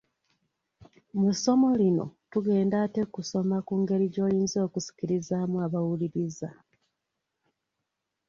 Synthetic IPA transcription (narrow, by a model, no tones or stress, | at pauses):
muso̞mo̞lino̞̰tuɡe̞ːndate̞kuso̞makuːŋɡe̞ɾiɟo̞ːjiːnzio̞ːkusi̥ciɾizaːmuaβawuliɾiza